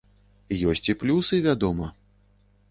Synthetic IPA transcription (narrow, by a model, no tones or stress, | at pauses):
jɔsʲt͡sʲiplʲusɨvʲad̪ɔmɐ